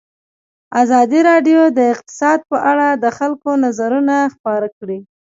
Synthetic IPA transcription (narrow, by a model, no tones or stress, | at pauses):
azɑd̪iɾɑɖjod̪əɪqt̪ɪ̥sɑd̪̚pəʔaɽad̪əxalkonazaɾunaxpɑɾakɽi